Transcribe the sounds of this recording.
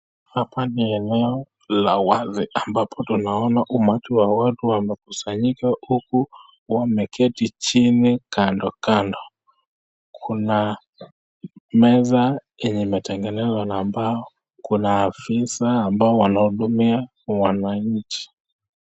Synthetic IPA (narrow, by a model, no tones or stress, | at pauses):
hapaniɛnɛɔ | lawaziambapʰɔtunaɔnaʔumatiwawatuwamɛkusaɲikahuku | wamɛkʰɛtit͡ʃinikandɔkandɔ | kʰuna | mɛza | iɲimɛtɛŋɡɛnɛzwanaːmbaɔ | kunaːfisaːmbaɔwanahuɗumia | wanaɲ̩t͡ʃi̥